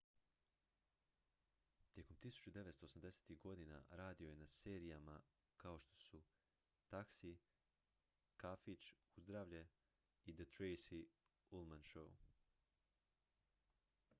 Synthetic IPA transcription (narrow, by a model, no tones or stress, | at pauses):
t̪je̞ko̞mt̪isu̥t͡ɕud̪e̞ʋest̪oːsamd̪e̞se̥t̪iɡo̞d̪ina̰ɾaːd̪io̞je̞nase̞ːɾijama̰ | kao̞ʃt̪o̞̥su | t̪aksi | kafit͡ʃ | uzd̪ɾaːʋʎe | id̪at̪ɾejsi | ulˠmanʃou